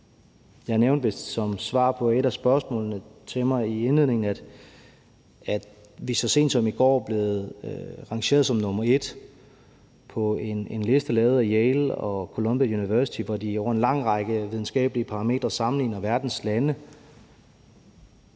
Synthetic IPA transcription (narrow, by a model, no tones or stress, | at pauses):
jɑ̈neʊnd̥ʋesɒ̽msʋɑ̰̈ːpʰɒ̽e̝ɾæsb̥ɶɐsmɔ̰̽ːlnət͡sʰe̝lmɑ̈ɪienlið̰ˠne̝ŋn̩æd̥ | æ̥ | ʋisɒ̽se̝̰ːnd̥sɒ̽miɡ̥ɒ̰ːæb̥le̝ːð̩ˠʁɑ̈ŋɕe̝̰ɐðˠsɒ̽mnɔmɐe̝d̥ | pʰɒ̽e̝nenle̝sd̥əlɛːðˠijeɪlɒ̽kʰo̝lɔ̽mb̥jæjuniʋæɐsi̥t͡sʰiʋɒdiɒʊɐe̝nlɑ̈ŋ̰ʁɑɡ̥əʋiðˠn̩sɡ̥ɛ̰ːb̥əliəpʰɑ̈ʁɑ̈me̝̰ːd̥ʁɐsɑ̈mn̩lḭːnɐʋæɐd̥n̩slænə